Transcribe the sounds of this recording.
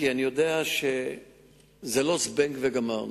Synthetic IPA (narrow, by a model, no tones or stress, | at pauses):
ianijod̪eaʃe | zelosbeŋkveɡama